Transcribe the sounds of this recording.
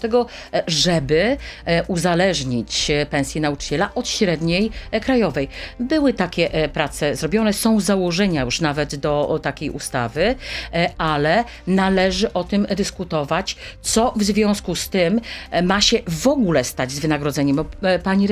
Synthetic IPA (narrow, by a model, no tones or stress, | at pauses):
t̪ɛɡɔ | ʐɛbɘʔuzalɛʐɲit͡ɕpɛ̃ñsʲjinaut͡ʂɘ̥t͡ɕɛlaʔɔt̪ɕɾɛd̪ɲejkɾajɔvɛjbɘwɘt̪akʲɛpɾat̪sɛzɾɔbʲjɔnɛsɔ̃w̃zawɔʐɛɲajuʂnavɛd̪d̪ɔt̪akʲejʔṵst̪a̰vɘ | alɛ | nalɛʐɘʔɔt̪ɘmd̪ɘskut̪ɔvat͡ɕt̪sɔvzvʲjɔ̃w̃skust̪ɘmːaɕɛvɔɡulɛst̪ad͡ʑzvɘnaɡɾɔd̪zɛɲɛmpaɲiɾ